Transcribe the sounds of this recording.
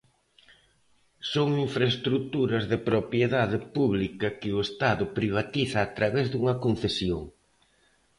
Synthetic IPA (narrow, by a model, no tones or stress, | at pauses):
soŋiɱfɾɐest̪ɾut̪uɾɐzðɪpɾopjeðaðɪpuβlikɐkɪʊest̪aðʊpɾiβ̞at̪iθɐːt̪ɾaβɛzðuŋɐkon̟θesjoŋ